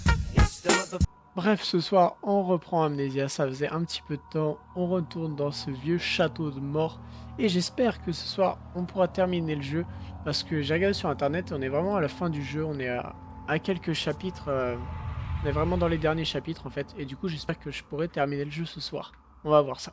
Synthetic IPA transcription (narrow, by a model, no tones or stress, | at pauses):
ɛ | bʁɛfsəswaʁɔ̃ʁəpχɑ̃amnezjasafəzɛʔɛ̃pət̪ʰi̥pød̪ət̪ɑ̃ | ɔ̃ʁət̪uʁnd̪ɑ̃səvjøʃat̪od̪əmɔʁeʒɛspɛʁkəsə̥swaʁ | ɔ̃puʁat̪ɛʁmineləʒøpaʁsə̥kəʒeʁəɡaʁd̪esyʁɛ̃t̪ɛʁnɛt̪eɔ̃nɛvʁɛmɑ̃alafɛ̃d̪yʒøɔ̃nɛa̰ | akʲɛlkəʃapit̪χø | ɔ̃nɛvʁɛmɑ̃d̪ɑ̃led̪ɛʁnjeʃapit̪χɑ̃fɛt̪ed̪ykuʒɛspɛʁkəʒəpuʁɛt̪ɛʁmineləʒøsəswa̰ːʁ | ɔ̃vavwaʁsḁ